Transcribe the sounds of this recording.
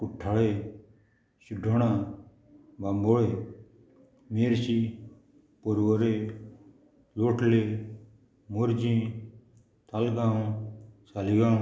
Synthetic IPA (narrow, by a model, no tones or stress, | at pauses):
kuʈʰːaɭeː | suɖʱoːɽ̃ãː | bamboɭeː | meːɾsi | poɾwoɾe | loːʈʰle | moɾd͡ʒĩː | t̪ʰalɡãː | saliɡã